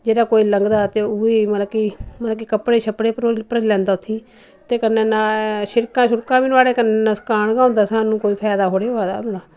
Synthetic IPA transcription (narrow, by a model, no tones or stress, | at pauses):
d͡ʒeːɽaːkoːiːləŋɡd̪aːt̪eːʊiːməlakiːməlakiːkəpɽeːʃʰəpɽeːpɾopəɾəlɛ̃ːnd̪aːʊt̪ʰːiː | t̪eːkənːeːnãːʃɪɾkãːʃʊɾkãːbiːnaːɽeːkənːẽːnãːsə̥kaːɳɡãːnd̪aːsaːnũːkoːiːpʰɛːd̪aːɦoːɽeːɦoaːd̪a̰ːbnaː